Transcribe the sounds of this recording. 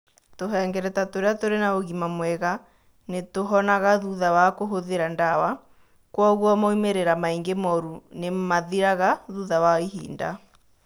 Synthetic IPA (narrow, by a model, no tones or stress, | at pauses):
toɦɛŋɡɛɾɛtatoɾeatoɾenaoɣimamwɛɣa | netoɦɔnaɣaðuðawakoɦoðeɾandawa | kwɔɣwɔmɔimeɾeɾamaiŋɡemɔɾunemaðiɾaɣaðuðawaiɦḭːnda̰